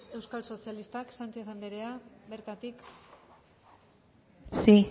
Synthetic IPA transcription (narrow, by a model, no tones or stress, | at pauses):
e̞wskalso̞sialist̪aksant͡ʃe̞θand̪eɾe̞abe̞ɾt̪at̪ik | si